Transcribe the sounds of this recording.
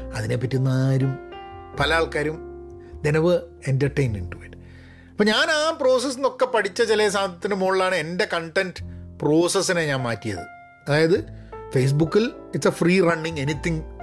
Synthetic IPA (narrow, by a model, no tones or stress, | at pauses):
ɐðinepːɐtːunːɐaːɾumpɐlɐjaːɭkaːɾum | d̪enɐʋɨ | entɐrʈejnmḛnɖuiʈːɨ̥ | ɐpːoɐɲaːnaːpro̞ːsɐs̬ːino̞kːepɐʈit͡ɕːɐt͡ɕeles̬aːmʱɐt̪ːinumoːɭːaːɳɨe̞nde̞kɐɳʈenɖpro̞ːsɐsːineɲaːnmaːtːijɐ̰ðɨ | ɐðaːjɐðɨfejs̬bukːilitsɐfriːrɐɳːiŋɡenit̪ːiŋ